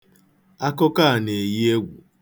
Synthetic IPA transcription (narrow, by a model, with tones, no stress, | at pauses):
a˦kʊ˦ka˦a˨ne˨ji˦e˦ɡʷṵ˨